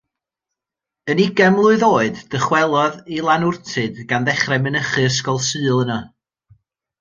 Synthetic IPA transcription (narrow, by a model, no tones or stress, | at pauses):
ənɪɡɛmlˠʊɨðoːɨdd̥əχwɛlˠɔðilˠanʊrtʰɨdɡ̥anðɛχrɛmɪnəχɨəs̬kɔlˠsɨːlˠənɔ